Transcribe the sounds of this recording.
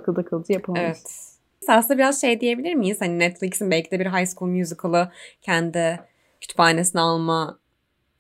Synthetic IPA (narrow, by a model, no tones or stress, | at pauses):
kɯlˠd̪akʰɯlˠd̪ɯjapʰɯlˠevɛt̪ | sasnabiɾazʃe̞jd̪ije̞bilʲiɾmijiz̥haninɛt̪flʲicsinbɛlʲcid̪ɛbiɾɦajskulˠmjuzikʰalˠɯcʰænd̪ɪ | cʰyt̪ʰy̥phaːne̞sinalˠma